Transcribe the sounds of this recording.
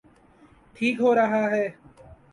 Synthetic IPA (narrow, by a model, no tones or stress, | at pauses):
ʈʰiːkɦoːɾəɦaːɦɛː